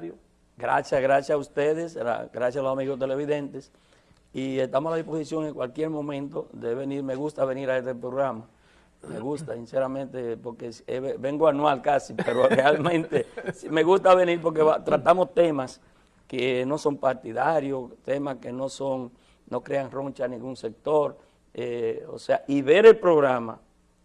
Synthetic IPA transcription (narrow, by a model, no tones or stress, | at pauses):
jo | ɡɾa̰sjasɣɾasjasaust̪eðesa̰ɡɾasjasalosamiɣost̪ele̞βiðe̞nt̪es | iest̪amosalaðisposisjo̞ŋeŋkwalkje̞ɾmõ̞mẽnt̪oðeβeniɾmeɣust̪aβe̞niɾaest̪epɾoɣɾama | mḛɣust̪asinseɾamẽnt̪epoɾkeseβebe̞ŋɡoanwalkasipeɾorealmẽnt̪esime̞ɣust̪aβe̞niɾpo̞ɾk̬eβat̪ɾat̪amo̞st̪e̞mas | keno̞so̞mpaɾt̪iðaɾjost̪e̞maskeno̞so̞ŋ | no̞kɾe̞aŋro̞nt͡ʃanĩŋɡuŋse̞k̚t̪o̞ɾ | eo̰seaiβe̞ɾe̞lpɾoɣɾama̰